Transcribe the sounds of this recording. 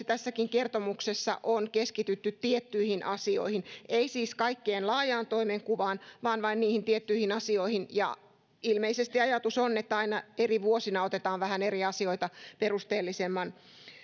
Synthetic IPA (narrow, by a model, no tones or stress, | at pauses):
t̪æsːækiŋkert̪omuksesːɑ̰ʔonkeskit̪yt̪ːyt̪tiet̪ːyihinʔɑsio̰ihineisiːskɑikːeːnlɑːjɑːnt̪oimeŋkuʋɑːnʋɑːnʋɑinniːhint̪iet̪ːyihinɑsioihinjɑ̰ | ilmeisest̪iɑjɑt̪usonːet̪ːæɑinɑeriʋuosinɑot̪et̪ɑːʋʋæhæneriɑsioit̪ɑperust̪eːlːisemːɑn